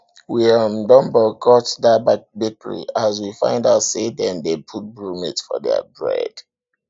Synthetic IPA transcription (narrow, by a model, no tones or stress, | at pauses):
wiɔ̃mdɔ̃mbɔkʰɔtdabak̚bikəɹḭaz̬wifã̰ɪ̃ndaʊtsedɛ̃ndepʰut̚bɹũmḭtfɔ̰dɛ̰ə̰bɹɛ̰d̥